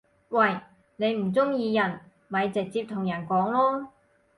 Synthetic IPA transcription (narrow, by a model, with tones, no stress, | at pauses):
wɐ˧j | ne˨˧jm̩˨˩t͡sʊ˥ŋjiː˧jɐ˨˩n | mɐ˨˧jt͡sɪ˨k̚t͡siː˧p̚t̪ʰʊ˨˩ŋjɐ˨˩nkɔː˨˥ŋlɔː˥